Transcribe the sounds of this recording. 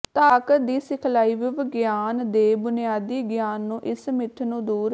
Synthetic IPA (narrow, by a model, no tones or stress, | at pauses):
t̪aːkət̪̚d̪iːsɪkʰlaːiːʋiʋəɡjaːnd̪eːbʊnɪjaːd̪iːɡjaːnːũːʔɪsmɪt̪ʰnũːd̪uːɾ